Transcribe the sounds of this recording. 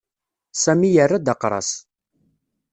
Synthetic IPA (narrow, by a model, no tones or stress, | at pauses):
sæmijərːad̪əqːɾˤɑ̰s